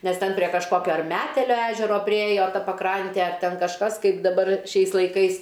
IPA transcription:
ˈnʲɛs ˈtʲɛn pʲrʲiɛ kɐʃˈkoːkʲoː ɐr ˈmʲæːtʲɛlʲoː ˈæːʒʲɛroː pʲrʲɪˈeːjoː ˈtɐ pɐˈkrɐnʲtʲeː ɐr ˈtʲɛn kɐʃˈkɐs ˈkɐɪp dɐˈbɐr ˈʃʲɛɪs lˠɐɪˈkɐɪs

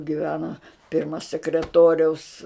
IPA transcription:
ɡʲɪˈʋʲæːnɐ ˈpʲɪrmɐ sʲɛkrʲɛˈtoːrʲɛʊs

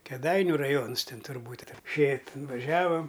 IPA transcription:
kʲɛˈdɐɪnʲʊ rɐˈjoːns ˈtʲɪn tʊrˈbuːtʲ ˈʃʲeː tʲɪn ʋɐˈʒʲæːʋɐm

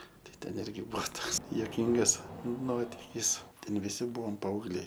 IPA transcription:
ˈtɐɪ ˈtʲɛn ˈɪrʲɡʲɪ ˈbuɔ ˈtoːks juɔˈkʲiːŋɡɐs ˈnoːtʲɪkʲiːs ˈtʲɛn ʋʲɪˈsʲɪ ˈbuɔm pɐɐʊɡˈlʲɛɪ

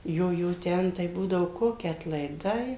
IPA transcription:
ˈjoː ˈjoː ˈtʲɛn tɐɪ ˈbuːdɐʋoː ˈkoːkʲɪ ɐtlˠɐɪˈdɐɪ

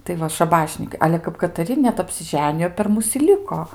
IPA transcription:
tɐɪ ˈʋɐ ʃɐˈbɑːʃʲnʲiːkɐɪ ˈɑːlʲɛ kɐp kɐtɐˈrʲɪ nʲɛt ɐpʲsʲɪˈʒʲæːnʲɪjoː pʲɛr ˈmʊs ɪ ˈlʲɪkoː

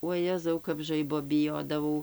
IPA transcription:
uɔˈjæːzɐʊ kɐp ˈʒɐɪboː bʲɪˈjoːdɐʋɐʊ

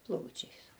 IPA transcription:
ˈplˠɐʊt͡ʃʲɛɪs

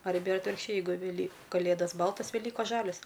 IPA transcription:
ɐrʲˈbʲɛ ɪr ɐtʲʋʲɪrkʃʲˈt͡ʃʲɛɪ jɛɪˈɡʊ ʋʲɛˈlʲiː kɐˈlʲeːdɐs ˈbɐlˠtɐs ʋʲɛˈlʲiːkoːs ˈʒɑːlʲoːs

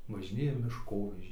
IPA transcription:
ʋɐʒʲɪˈnʲeːjɛ mʲɪʃˈkoːʋʲɛʒʲɛɪ

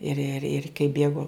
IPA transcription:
ɪr ɪr ɪrʲ kɐɪ ˈbʲeːɡoː

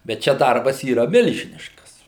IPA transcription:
bʲɛt ˈt͡ʃʲɛ ˈdɐrbɐs iːˈrɐ ˈmʲɪlʲʒʲɪnʲɪʃkɐs

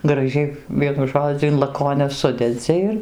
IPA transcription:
ɡrɐˈʒʲɛɪ ˈʋʲiɛnʊ ˈʒoːd͡zʲʊ ɪn lˠɐˈkoːnʲɛs ˈsʊdʲɛd͡zʲɪ ɪr

